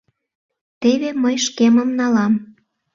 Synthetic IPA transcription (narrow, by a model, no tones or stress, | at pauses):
t̪eβeməjʃkeməmnɑlɑm